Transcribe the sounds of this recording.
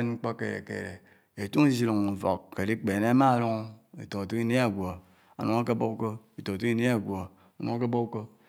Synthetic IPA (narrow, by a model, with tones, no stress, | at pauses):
e˦nŋ͡m̩˦k͡po˦kḛ˨ḛ˨kḛ˨ɾe˨ | e˨tu˦ŋi˦zi˦lu˨ŋu˨vo̰˨kːe˨li˦k͡pe˨ne˦a˦ma˦˨ɾu˦ŋ˦ḛ˨to˨tu˦ki˦n˦e˦a˨ɡʷo˨ | a̰˨no˨˦ŋa˦ke˦bo˦ko˦i˨to˨tu˦ki˦n˦e˦a˨ɡʷo˨ | a˨nu˨ŋa˦ke˦bo˦u˦ko˦